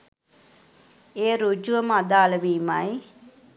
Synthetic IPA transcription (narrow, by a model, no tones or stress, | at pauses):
eːɾud͡ʒuʋəmad̪aːləʋiːmaj